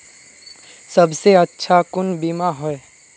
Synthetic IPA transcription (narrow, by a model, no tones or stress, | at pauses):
səbseətːʃʰakʊnbimaɦɔe